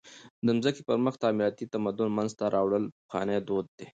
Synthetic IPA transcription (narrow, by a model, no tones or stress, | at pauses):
d̪əmzəkepəɾməxt̪ɑːmɪɾɑt̪it̪amad̪ʊnmanzt̪aɾʔɑwɽəlpəxɑ̰ned̪od̪̚ːe